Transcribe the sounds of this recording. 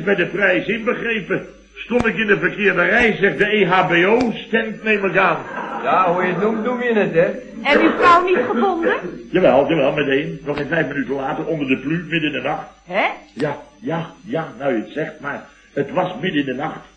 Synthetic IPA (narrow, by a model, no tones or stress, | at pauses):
bɛjdəprɛjsɪnbəχrejpə | stontɪkɪndəfərkɪːɹdərɛjszɛχt̚dəeːɦaːbeoːstɛntneːmlɪk̬aːnjaujənumnumjənətɛ | ɛyfrawnitχəbondəjaʋɛlˠdəʋɛlˠmɛtejnːɔχenfɛjfmənytənlaːtərɔndərdəplymɪdɪndənɑχtɛjajajanawətsɛχt̚mar | ətʋɑsmɪdəɪndənɑχt